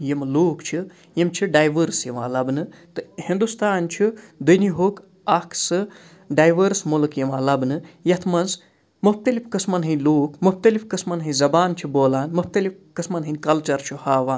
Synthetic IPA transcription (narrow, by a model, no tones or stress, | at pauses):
jimloːkt͡ʃʰi | jimt͡ʃʰiɖaːjʋəɾsjɐʋã̰ːlɐbnɨt̪ɨhind̪ust̪aːnt͡ʃʰid̪ujniɦoːk | ɐkʰsɨ | ɖaːjʋəɾsmulɨkjɐmãːlɐbnɨjɐt̪ʰmɐnz | mup̚t̪ɐlipkɨsmɐnɦɨnʲloːkmup̚t̪ɐlifkɨsmɐnɦɨ̃zɐbaːnt͡ʃʰiboːlaːnmup̚t̪ɐlipkɨsmɐnɦɨnʲkɐlt͡ʃɐɾt͡ʃʰihaːʋaːn